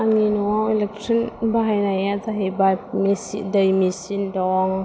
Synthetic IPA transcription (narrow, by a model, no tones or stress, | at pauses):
aŋinɔwawelɛk̚tɾinbaɦajnajazaɦibamisḭdəjmisindɔŋ